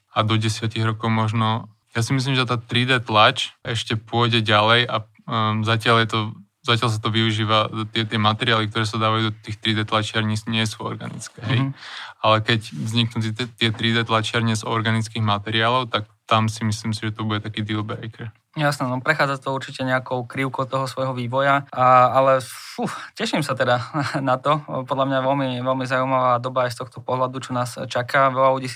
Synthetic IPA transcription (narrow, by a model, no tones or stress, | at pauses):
ad̪ɔɟɛsɪaciɣɾɔkɔʊmɔʒnɔ | jasimis̬limʒɛt̪aːt̪ɾid̪ɛːt̪lat͡ʃɛʃcɛpʊɔjɟɛɟalɛja | zacɪaljɛt̪ɔ | zacɪals̬at̪ɔʋiuʒiːʋat̪ɪɛt̪ɪɛmat̪ɛɾɪaːlik̚t̪ɔɾɛːs̬ad̪aːʋajud̪ɔt̪iːxt̪ɾid̪ɛːt̪lat͡ʃɪaɾɲisɲɪɛsuɔ̰ɾɡa̰nḭt͡skɛːɦɛjalɛkɛcvzɲiknut̪̬t̪ɪɛt̪ɾid̪ɛt̪lat͡ʃɪaɾɲɛzɔɾɡanit͡skiːɣmat̪ɛɾɪaːlɔʊt̪ak̚t̪amsimisliːmsiʒɛt̪ɔbuɟɛt̪akiːd̪ilbɾɛjkɛɾ | jasnɛnɔpɾɛxaːd͡zat̪ɔuɾt͡ʃicɛɲɛakɔʊkɾiʊkɔʊt̪ɔɦɔsʋɔjɦɔʋiːʋɔjaaalɛfucɛʃimsat̪ɛd̪anat̪ɔpɔd̪lamɲaʋɛlmiʋɛlmizaujmaʋaːd̪ɔbaajst̪ɔxt̪ɔpɔɦlad̪ut͡ʃɔnaːst͡ʃakaʋɛlaluɟiːs